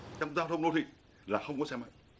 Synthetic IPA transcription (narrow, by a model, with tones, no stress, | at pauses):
t͡ɕa˧wŋ͡mzaː˧wt̪ʰə˧wŋ͡mno˨˦t̪ʰi˨˩ | laː˨˩xə˧wŋ͡mkɔ˨˦sɛ˧ma̰˧˨